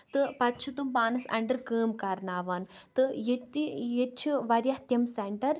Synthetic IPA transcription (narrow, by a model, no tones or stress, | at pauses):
t̪ɨpɐt̪ːt͡ʃʰut̪umbaːnɐsɐ̰ɳɖɐɾkəːmkɐɾnaːʋɐnt̪ɨjit̪ijet͡ʃʰuʋɐɾjɐht̪jɐmsɐɳʈɐɾ